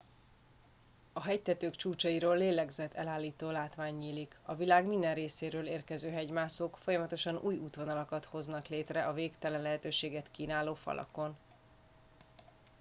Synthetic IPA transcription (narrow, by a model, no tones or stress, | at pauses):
ɒɦɛct̪ɛt̪øːkt͡ʃuːt͡ʃɒiɾoːlːeːlɛɡzɛt̪ʰːɛlaːlːiːt̪oːlaːt̪ʋaːɲːiːlikɒvilaːɡmind̪ɛnreːseːɾøːleːrkɛzøːɦɛɟmaːsoːkfo̞jɒmɒt̪o̞ʃɒnʔṵːjuːt̪ʋonɒlɒkɒt̪ho̞znɒkleːt̪rɛʔɒveːkt̪ɛlɛnlɛɦɛt̪øːʃeːɡɛt̪kiːnaːloːfɒ̰lʔɒ̰ko̞n